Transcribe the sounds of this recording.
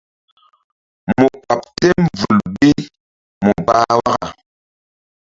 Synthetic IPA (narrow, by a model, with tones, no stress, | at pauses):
mɔ˨k͡pa˨p̚tɛ˦m˨vu˨lbi˦ | mɔ˨ba˦wa˦ɣa̰˦˨